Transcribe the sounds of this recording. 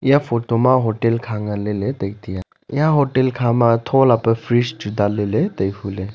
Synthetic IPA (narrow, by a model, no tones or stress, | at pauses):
jãfʰoʈomãɦoʈelkʰaŋɡalelet̪əkt̪ija | jãɦoʈelkʰamat̪ʰolapəpʰɾisd͡ʒud̪alelet̪əjfʰule